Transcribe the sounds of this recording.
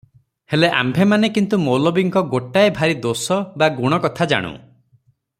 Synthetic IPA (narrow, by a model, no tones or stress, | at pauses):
heleʔa̰mbʱemanekint̪umowlɔbiŋkɔɡoʈaebʱaɾid̪osɔbaɡuɽ̃ɔkɔt̪ʰad͡ʒa̰ɽ̃ṵ̃